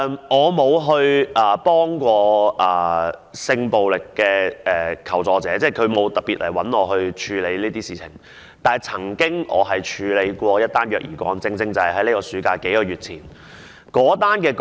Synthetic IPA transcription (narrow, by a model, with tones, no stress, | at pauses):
mʔɔː˨˧mo˨˧wɦɵ˧ɥʔɐː˨˩pɔː˥ŋkʷɔː˧ʔɐː˨˩sɪ˧ŋpo˨wlɪ˨kːɛː˧ɛː˨kʰɐ˨˩wt͡sɔː˨˧t͡sɛː˨˥t͡sɛː˥˩kʰɵ˨˧ɥmo˨˧wt̪ɐ˨t̚piː˨t̚lʔɐ˨˩wɐ˨˥nɔː˨˧ɦɵ˧ɥt͡ʃʰyː˨˧le˨˧jliː˥t̪iː˥siː˨t͡sʰɪ̰˨˩ŋ | t̪aː˨˩jt͡sʰɐ˨˩ŋkɪ˥ŋʔɔ̰ː˨˧ɦɐ˨jt͡ʃʰyː˨˧le˨˧jkʷɔː˧jɐ˥t̪̚ːaː˥njœː˨k̚jiː˨˩kʷɔ̰ː˨˧ŋt͡sɪ˧ŋt͡sɪ˥ŋt͡sɐ˨whɐ˨jɦɐ˨˦jliː˥kɔː˧syː˨˥kaː˧ke˨˥jkɔː˧jɥyː˨t̚t͡sʰiː˨˩n | kɔː˨˥t̪aː˥nkɛː˧k